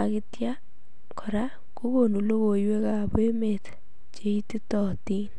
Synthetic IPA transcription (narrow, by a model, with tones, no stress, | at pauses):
akɪtja | kʰɔ˨ɾa˦ | ko˦ko˨nu˨lo˦ɣo˨jwe˦ka˨be˦met | t͡ʃe˦i˦ti˦tɔ˨tin